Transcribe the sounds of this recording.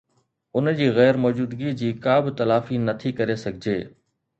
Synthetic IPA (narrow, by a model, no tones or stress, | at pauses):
ʊnd͡ʑiːɣɛːɾmɔːd͡ʑuːd̪ɡid͡ʑiːkaːbɪt̪ɐlaːfinɐt̪ʰikɐɾesɐɡʱɪd͡ʑeː